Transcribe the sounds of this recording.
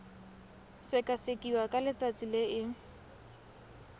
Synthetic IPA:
sɪkʼasɪkʼiwakʼalɪt͡sʼat͡sʼileɪ

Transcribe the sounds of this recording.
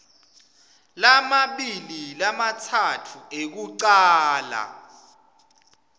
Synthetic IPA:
lamaɓililamatʰatʰuek̬uǀaːla̰

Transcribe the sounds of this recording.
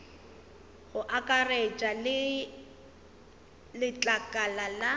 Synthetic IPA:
ɣʊʔakʼaret͡ʃʼalɪ | lɪt͡ɬʼakʼalala

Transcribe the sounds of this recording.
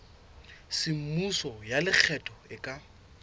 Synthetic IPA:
sɪm̩musɔjalɪk͡xʰɛtʼɔɪkʼa

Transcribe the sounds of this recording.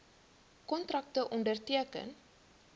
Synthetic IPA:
kɔntrɐk̚təʔɔndərtiəkə̰n

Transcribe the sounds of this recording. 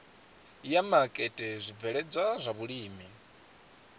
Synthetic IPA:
jamakʼɛtʼɛzʷib̪vɛɺɛd͡zʷwazʷaβuɺiːmi

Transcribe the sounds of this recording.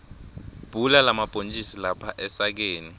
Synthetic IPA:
b̥ʱulalamab̥ʱont͡ʃʼisilapʰaʔɛsak̬eːni

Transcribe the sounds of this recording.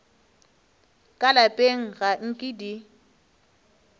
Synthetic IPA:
kʼalapʼeŋ̩ɣaŋ̩kʼɪdi

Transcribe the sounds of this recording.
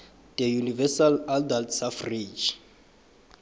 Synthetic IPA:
dɛjunivɛsaladaltʰsafrid͡ʒ

